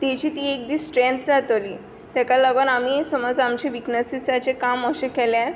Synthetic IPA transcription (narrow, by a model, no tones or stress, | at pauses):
t̪et͡ɕiːt̪iːek̚d̪iːsʈɾẽnt̪d͡zat̪oliː | t̪jakalaɡonamiːsɔmɔd͡zamt͡ɕeʋiknəsisat͡sekaməɕẽkɛljaɾ